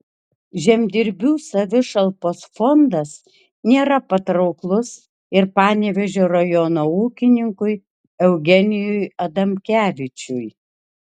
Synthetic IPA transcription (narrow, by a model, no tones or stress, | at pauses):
ʒʲɛmʲd̪ʲɪɾʲbʲuːsɐʋʲɪʃɐlˠpoːsfɔnd̪ɐs | nʲeːɾɐpɐt̪ɾɐʊklˠʊs | ɪɾpɑːnʲeʋʲɛʒʲoːɾɐjɔnoːuːkʲɪnʲɪŋkʊj | ɛʊɡʲɛnʲɪjʊjɐd̪ɐmʲkʲæːʋʲɪt͡ʃʲʊj